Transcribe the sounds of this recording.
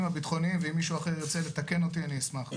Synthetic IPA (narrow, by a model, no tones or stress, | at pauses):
mhabit̪χo̞nimveimːiʃuaχeot͡sele̞t̪ake̞no̞t̪ianiismaχ